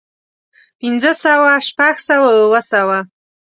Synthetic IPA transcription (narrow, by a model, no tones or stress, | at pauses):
pinzd͡zɐsaːwaʂpʰaxsawaəlɐsaːwa